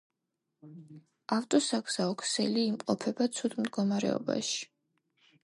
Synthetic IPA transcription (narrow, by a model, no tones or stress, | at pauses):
aft̪ʼɔsaɡz̥aɔkʰsɛliːmqʼɔpʰɛbat̪sʰud̪md̪ɡɔmaɾɛ̰ɔ̰ba̰ʃi̥